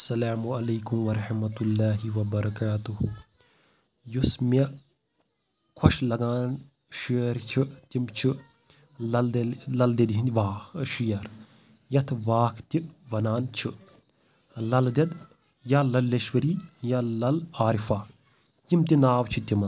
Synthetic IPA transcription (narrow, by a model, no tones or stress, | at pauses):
ɐsɐlaːmuɐlɐːkumʋɐɾɐħmɐt̪ulːaːɦiʋɐbɐɾɐkaːt̪uh | jusme | kʰoʃlɐɡaːn | ʃiɾt͡ʃʰit̪imt͡ʃʰi | lɐld̪lɐld̪ed̪ɦind̪ʋaːʃijɐɾ | jɐt̪ʰʋaːkʰt̪iʋɐnaːnt͡ʃʰi | lɐld̪ɐd̪ | jalɐlːeʃwɐɾiːjaːlɐlaːɾifaː | t̪imt̪inaːwt͡ʃʰit̪imɐ